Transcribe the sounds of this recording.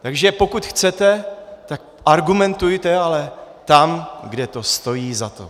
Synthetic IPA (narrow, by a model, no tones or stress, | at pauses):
t̪aɡʒɛpo̞kut̪xt͡sɛt̪ɛt̪ak̚ | ʔaɾɡumɛnt̪ujt̪ɛalɛt̪amɡdɛt̪o̞st̪o̞jiːzat̪o̰